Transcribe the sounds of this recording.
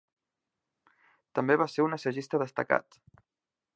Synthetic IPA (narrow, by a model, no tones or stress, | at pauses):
t̪əmbeβaseɾunəsəʒist̪əðəst̪əka̰t̪